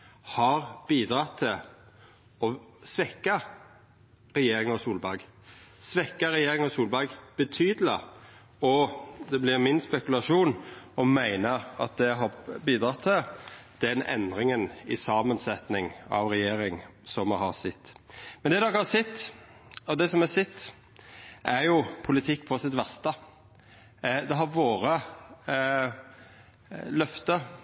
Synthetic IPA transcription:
hɑɾb̥iːd̪ɾɑt̪ʰːɪl | ɔsʋɛkːɑ | ɾɛjeːɾɪŋɔsuːlbɑɡsʋɛkːəɾɛjeːɾɪŋɔsuːlbɑɡb̥ət̪ʰyːd̪lə | ɔd̪ɛblɪɾmɪnspɛkʉlɑʂuːnɔmæɪnəɑt̪̚d̪ɛɦɑbiːd̪ɾɑt̪ʰːɪld̪̥ɛnɛ̰nd̪ɾɪŋənɪsɑːmənsɛt̪nɪŋɑ̰ʋɾɛjeːɾɪŋsɔmɛɦɑɾsɪt̪ːmɛnd̪ɛd̪ɔkhɑsɛt̪ː | ɔd̪ɛsɔmɛsɪt̪ː | ʔæɾjʊpʰʊlɪt̪ʰɪkːpʰɔsɪt̪ʋæʁst̪ə | d̪ɛɦɑɾʋoːɾə | lœft̪ə

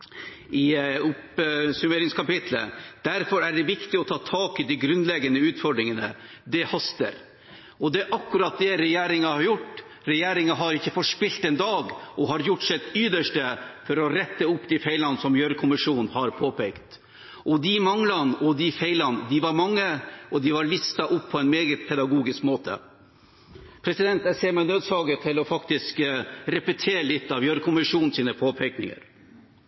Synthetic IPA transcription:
ɪʊpsʉmeːɾɪŋskʰɑpɪt̪ʰlə̰d̪̥æɾfɔɾæɖɛʋɪkt̪ɪɔt̪ʰɑːt̪ʰɑːkɪd̪ɪɡɾʉnlɛɡənəʉːt̪fɔɖɾɪŋənə̰ | d̪ɛhɑst̪ə̰ɾ | ɔd̪ɛʔɑkːʉɾɑt̪̚d̪ɛɾɛjeːɾɪŋɑhɑɾjʊʈː | ɾɛjeːɾɪŋɑɦɑɾɪçːəfɔʂpɪlt̪ɛnd̪ɑːɡʔɔɦɑɾjʊʈːsɛt̪ʏd̪əʂʈəfɔɾɔɾɛt̪ːəʊpːd̪ɪfɛɪlɑnsɔmjœɾkʰʊmɪʂuːnhɑɾpʰoːpʰɛkt̪ | ʔɔd̪ɪmɑŋlɑnɔd̪ɪfeɪlɑnəd̪ɪʋɑɾmɑŋːəʔɔd̪ɪʋɑɾɭɪst̪ɑʔʊpʰːɔɛnmeːɡət̪̚pʰɛd̪ɑɡuːɡɪskmoːt̪ʰə̰ | pʰɾɛsɪd̪ɛnt̪jæɡseːɾmɛɪnøːd̪sɑːɡət̪ʰɪlɔfɑkt̪ɪskɾɛpət̪ʰeːɾəlɪt̪ːɑʋjœɾkʰʊmɪʂuːnn̩siːnəpʰoːpʰɛknɪ̰ŋə̰ɾ

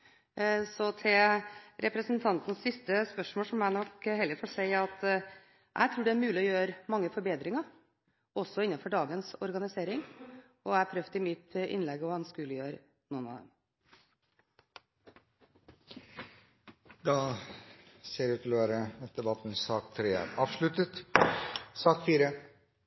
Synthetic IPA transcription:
sɔt̪ʰɪlɾʔɛpɾəsnt̪ʰɑnt̪n̩ssɪst̪əspœʂmoːlʂɔmæɪnɔkhɛld̪ɪfɔʈsæɪɑt̪ | ʔæ̰ɪt̪ʰɾuːɖɛæɾmʉːlɪɔjøːɾmɑŋːəfɔɾbeːd̪ɾɪŋɑ | ɔsːɔɪnːɑfɔɖɑːɡənsɔɾɡɑnɪseːɾɪŋ | ɔæpʰɾœft̪ɪmɪt̪ʔɪ̰nlɛɡɔɑnskʉːləjøːɾ | nuːnɑ̰d̪ɛ̰m | d̪ɑ | seːɾʉːt̪ʰːɪlɔʋæːɾəɑt̪̚d̪ɛbɑt̪ːn̩sɑːkt̪ʰːɾeːæ̰ɾɑːʋʂɭʉt̪ət̪ | sɑːkfiːɾə

